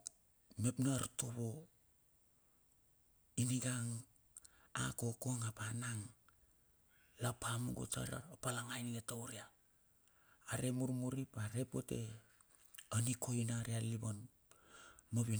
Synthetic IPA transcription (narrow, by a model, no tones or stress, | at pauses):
me̞pnaɾtoβo | iniɡaŋ | a̰ko̞koŋapanaŋ | lapʰamuɡo̰ta̰ɾa̰opalaŋajniɡetowɾia | ɾe̞muɾmuɾipaɾe̞po̰te̞ | ənikʰo̞inaɾialiβon | moβin